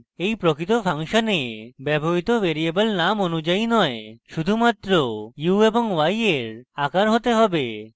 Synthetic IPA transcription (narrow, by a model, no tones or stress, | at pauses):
ejpɾokɾit̪opʰaŋʃanebɛboɦit̪oʋeɾiebəlnamonud͡ʑainɔeʃud̪ʱumat̪ɾojueboŋwajeɾakaɾɦot̪eɦɔbe